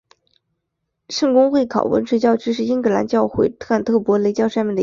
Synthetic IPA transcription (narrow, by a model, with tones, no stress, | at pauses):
ʂɤ˥˧ŋkʊ˥ŋxwe˥˩ɪkʰɑ̰˨˩ʊwə̰˧˥nʈ͡ʂʰɤ˥t͡ɕjɑ˥˧ʊʈ͡ʂɻ̩˥ʂ̬ɻ̩˥˩i˥ŋkɤ˧˥la̰˧˥nt͡ɕjɑ˥˧ʊxwe˥˩ɪt̪ʰɤ˥˩a˥˩nt̪ʰɤ˥˩pwɔ˧˥le˧˥ɪt͡ɕjɑ˥˧ʊʂnmjɛ˥˩nd̪ə˧